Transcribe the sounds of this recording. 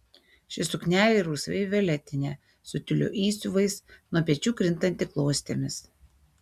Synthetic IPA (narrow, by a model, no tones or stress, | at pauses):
ʃʲɪsʊknʲæːlʲeɾuːsʋʲɛ̰ɪʋʲɛlʲɛt̪ʲɪnʲeː | sʊt̪ʲʊlʲṵːʔiːsʲʊʋɐɪsnuɔpʲiɛt͡ʃʲuːkɾʲɪnt̪ɐnʲt̪ʲɪklˠoːsʲt̪ʲeːmʲɪs